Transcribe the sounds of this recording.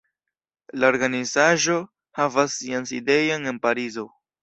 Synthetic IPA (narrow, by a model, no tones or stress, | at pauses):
lao̞ɾɡanizaʒo̞ | havasːianside̞jone̞npaɾizo̞